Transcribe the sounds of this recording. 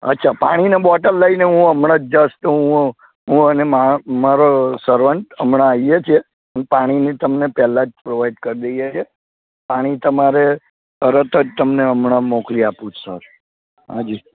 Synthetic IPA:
ə̰tːʃʰapa̰ɽ̃inabɔʈəlːəineɦũəmɳad͡ʒəst̪ɦũ | ɦũənemamaɾosəɾʋəɳʈəmɳaːjjet͡ʃʰie | ənepaɽ̃init̪əmnepɛlad͡ʒpɾoʋaiɖkəɾd̪ejet͡ʃʰe | paɽ̃it̪əmaɾe | əɾət̪ʰəd͡ʒt̪əmneəmɳamokliapũt͡ʃʰsəɾ | ɦa̰d͡ʒi

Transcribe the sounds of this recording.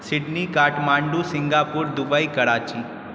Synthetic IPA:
sɪɖnikaːʈmãːɳɖusɪ̃ŋɡaːpuːɾd̪ʊbaikɐɾaːt͡ʃiː

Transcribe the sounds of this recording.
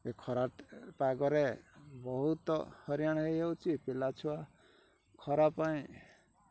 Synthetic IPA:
ekʰɔɾaʈpaɡɔɾebɔɦut̪ɔ̰hɔɾijaɽ̃ɦejewt͡ʃʰipilat͡ʃʰuwa | kʰɔɾapaĩ

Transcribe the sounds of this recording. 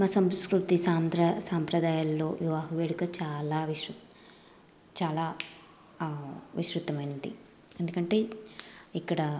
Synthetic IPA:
mɐsɐmskɾut̪isaːmd̪ɾɐsaːmpɾɐd̪aːjalːoːʋjuʋaːɦɐʋeːɽukɐt͡ʃaːlaːʋiʃɾ | t͡ʃaːlaː | ʋiʃɾut̪ɐmɐjind̪ḭ | end̪ukɐɳʈe̞ː | ikːɐɽɐ

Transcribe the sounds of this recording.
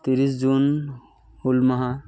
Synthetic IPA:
t̪iɾisd͡ʒun | hulmɐɦa

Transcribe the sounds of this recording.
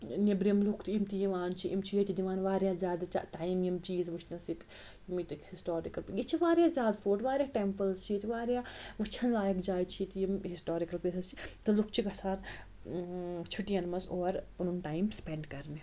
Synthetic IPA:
nebɾimlukʰt̪imt̪ijiʋaːnt͡ʃʰiʔimt͡ʃʰijet̪id̪iʋaːnʋaːɾʲjazjaːd̪at͡ʃa̰ʈaːimjimt͡ʃiːzʋɨt͡ʃʰnɐsit̪ | imit̪ikhisʈoːɾikɐlpjʲit͡ʃʰiʋaːɾjaːzjaːd̪foːʈʋaːɾʲjaʈempɐlzt͡ʃʰit̪iʋaːɾjaʋɨt͡ʃʰɐnlaːjɐkd͡ʒaːjt͡ʃʰit̪jimɦisʈoːɾikɐlpeːsɐst͡ʃʰi̥t̪ɐlukʰt͡ʃʰiɡasaːɾ | t͡ʃʰuʈijɐnmɐzoːɾpɐnunʈaːimspeɳɖkɐɾni

